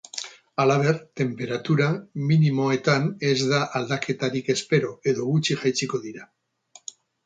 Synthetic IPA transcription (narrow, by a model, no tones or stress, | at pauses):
alaβ̞e̞ɾt̪e̞mpe̞ɾat̪uɾaminimo̞e̞t̪ane̞zðaʔald̪akʰe̞t̪aɾike̞spe̞ɾo̞e̞ðo̞ɣut͡ʃiʝajt͡siko̞ðiɾa